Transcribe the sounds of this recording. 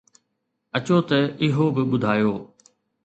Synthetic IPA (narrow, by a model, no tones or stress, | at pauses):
ɐt͡ɕoːt̪ɐɪɦobɪɓʊd̪ʱaːjoː